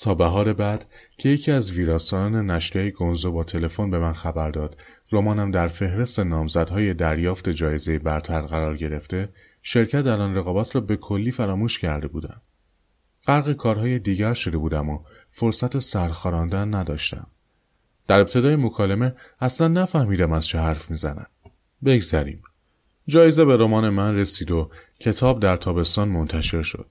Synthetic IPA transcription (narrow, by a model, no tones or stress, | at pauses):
t̪ʰɒːbæɦɒːɾe̞bæd̪̥cʰe̞jecʰiːæzviːɾɒːsɒːɾɒːne̞næʃɾiæjeɡo̞nzobɒːt̪ʰe̞le̞fo̞nbe̞mænxæbæɾd̪ɒːd̪̥ | romɒːnæmd̪æɾfe̞hɾe̞st̪e̞nɒːmzæd̪̥hɒːje̞d̪æɾjɒːft̪e̞d͡ʒɒːje̞ze̞jebæɾt̪ʰæɾɣæɾɒːɾɟe̞ɾe̞ft̪e̞ | ʃe̞ɾcʰæt̪ælɒːnreɣɒːbæt̪ʰɾɒːbe̞kʰo̞lːiːfæɾɒːmuːʃcʰæɾd̪e̞buːd̪æ̰m | ɢ̥æɾɣekʰɒːɾɦɒːjed̪iːɟæɾʃo̞d̪e̞buːd̪æmo | fo̞ɾsæt̪ʰesæɾxɒːɾɒnd̪ænːæd̪ɒːʃt̪æ̰m | d̪̥æɾe̞p̚t̪ʰe̞d̪ɒːjemo̞kʰɒːleme̞æslænːæfæhmiːd̪æmæz̥t͡ʃʰehæɾfmiːzæ̰næ̰m | be̞ɡzæɾḭːm | d͡ʒɒːjezebe̞ɾomɒːne̞mænre̞siːd̪o̞cʰe̞t̪ʰɒːb̚d̪æɾt̪ʰɒːbe̞st̪ɒːnmo̞nt̪ʰæʃe̞ɾʃo̞̰d̪̥